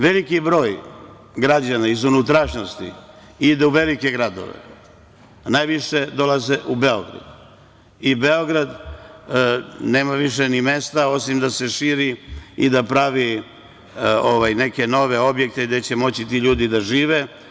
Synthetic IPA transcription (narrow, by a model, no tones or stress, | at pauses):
ʋe̞likibɾo̞ːj | ɡɾad͡ʑanaizunut̪ɾaʃnost̪ḭ | id̪euʋe̞like̞ɡɾad̪o̰ʋḛ | najʋiʃe̞d̪o̞lazeʔube̞o̞ɡɾa̰d̪ | ibe̞o̞ɡɾad̪ | ne̞ːmaʋiʃenime̞st̪ao̞simd̪ase̞ʃiːɾiid̪apɾaʋi | oʋajne̞ke̞no̞ʋe̞o̞bje̞k̚t̪eɡd̪e̞t͡ɕe̞mo̞t͡ɕit̪iʎuːd̪id̪aʒiːʋe